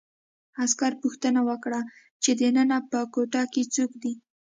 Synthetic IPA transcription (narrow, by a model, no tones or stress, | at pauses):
askaɾpuxt̪ənawəkɽa | t͡ʃed̪ənənapəkoʈɑket͡sokd̪i